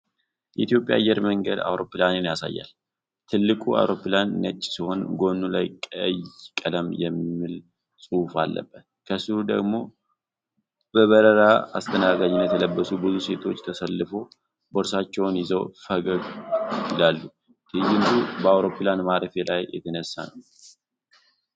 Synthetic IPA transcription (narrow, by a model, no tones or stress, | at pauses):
jɛ̰it̪jo̞pʼja̰ajːɛɾməŋɡəd̪a̰wɾo̞pːlanenjasa̰jːa̰l | t̪ʰɨlːɨkʼua̰wɾo̞planːət͡ʃʼːsiho̞nɡo̞nːulajkʼəjkʼələmjɛmːil | sʼɨwfa̰lːə̰bːət̪kʰəsɨhud̪ə̰ɡmo̞ | bəβəɾəɾaa̰st̪ʰənaɡad͡ʒɪnjɛt̪ʰələbːəsubɨzuse̞t̪ʰo̞t͡ʃːt̪ʰəsəlːɨfo̞ | boɾsat͡ʃːɛwnjɪzəwfəɡəɡjɪlalːu | t̪ʰɨjɪnd̪ubəawɾo̞pilanmaɾəfelʔajjɛ̰t̪ʰənəsːa̰nəw